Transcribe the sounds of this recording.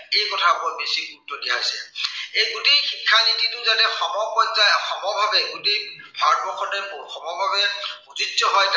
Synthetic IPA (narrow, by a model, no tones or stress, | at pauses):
ejkɔtʰabɔbesik̚utːɔdikʰajsɛ̰ejɡutejxikʰːanititʊzanɛxɔmɔpɔnzajaxɔmɔbʱabɛɡutej | bʱabɔkʰɔnɛmxɔmɔbʱabɛuzidzɔɦɔjk